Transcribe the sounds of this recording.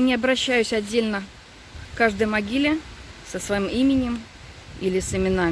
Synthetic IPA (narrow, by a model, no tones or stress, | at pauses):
nʲɪɐbɾɐɕːæjʉsʲɐdʲːelʲnə | kaʐd̪əjmɐɡʲilʲɪsəsvɐimimʲɪnʲɪm | ilʲɪsɪmʲɪna